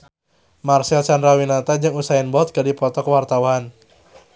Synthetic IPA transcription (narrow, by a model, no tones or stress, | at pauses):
marsɛlsandɾawinat̪ad͡ʒɨŋusaɪnbɔt̪̚kədipɔt̪ɔkəwart̪awan